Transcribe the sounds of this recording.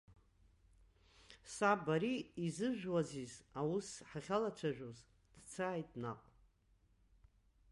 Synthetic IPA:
sabaɾiːzɨʒᶣwazizawusħaχʲalat͡ʃʷʰaʒᶣoz | d̥t͡sʰaːjtʼnaqʷʼ

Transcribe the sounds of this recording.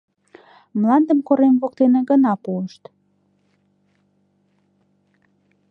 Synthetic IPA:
mlɑnd̪əmkoɾemβokt̪eneɡənɑpuəʃt̪

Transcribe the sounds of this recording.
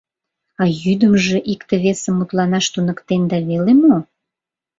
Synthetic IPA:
ɑjyd̪əmʒĕʔikt̪ĕβesəmːut̪lɑnɑʃt̪unə̆kt̪end̪ɑβelemo

